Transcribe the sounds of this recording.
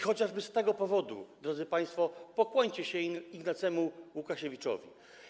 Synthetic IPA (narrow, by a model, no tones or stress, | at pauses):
xɔt͡ɕaʐbɘst̪ɛɡɔpɔvɔd̪ṵd̪ɾɔd̪zɘpaj̃st̪fɔpɔkwɔɲt͡ɕɛɕɛiɡnat̪sɛmuwukaɕevʲit͡ʂɔ̰vʲḭ